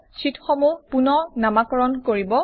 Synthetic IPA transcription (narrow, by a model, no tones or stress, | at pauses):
sitʰxɔmupunɔnamakɔɹɔnkoɹibɔ